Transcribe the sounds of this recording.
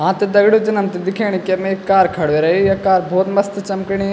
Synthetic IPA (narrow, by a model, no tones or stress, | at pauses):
ɦãːt̪ed̪ɐɡɽud͡ʒɐnɐmt̪ed̪ɪkʰeːɽ̃ikemẽkːaːɾkʰɐɽʋeɾɐɦijɐkaːɾbʱoːt̪mɐst̪t͡ʃɐmkiɽ̃i